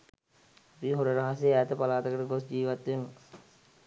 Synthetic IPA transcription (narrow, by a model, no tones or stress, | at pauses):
piɦoɾəɾɐɦasjeæːt̪əpalaːt̪əkəʈəɡosd͡ʒiːʋat̪ʋemə